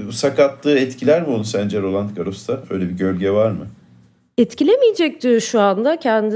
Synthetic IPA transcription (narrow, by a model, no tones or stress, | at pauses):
sakat̪lˠɯːɛt̪cʰilʲæɾmionusænd͡ʒɛɾo̞lˠanɡaɾo̞st̪ʰaøjlʲɛbiɟø̞lʲɟɛvaɾmɯ | ɛt̪cilʲemijed͡ʒɛc̚d̪iʃuand̪acʰɛnd̪i